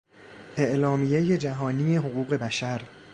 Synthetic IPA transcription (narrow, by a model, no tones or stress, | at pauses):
ʔe̞ʔlɒːmije̞je̞d͡ʒæɦɒːniːeɦoɣuːɣe̞bæʃæɾ